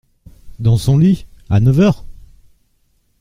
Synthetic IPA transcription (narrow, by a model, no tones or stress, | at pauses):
d̪ɑ̃sɔ̃lianœvœʁ